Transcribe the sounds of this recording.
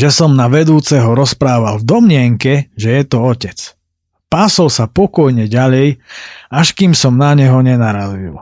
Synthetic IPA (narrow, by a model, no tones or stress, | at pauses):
ʒɛsɔmnaʋɛd̪uːt͡sɛɦɔɾɔspɾaːʋalvd̪ɔmɲɪɛŋkɛʒɛjɛt̪ɔɔcɛt͡s | paːsɔlsapɔkɔjɲɛɟaʎɛjaʃkimsɔmnaɲɛɦɔɲɛnaɾazḭl